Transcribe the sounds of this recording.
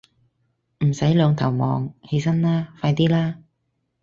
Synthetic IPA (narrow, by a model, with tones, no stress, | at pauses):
m̩˨˩sɐ˨˥jlœː˨˧ŋt̪ʰɐ˨˩wmɔ̰ː˨˧ŋhe˧jsɐ˥nlaː˥faː˧jt̪iː˥laː˥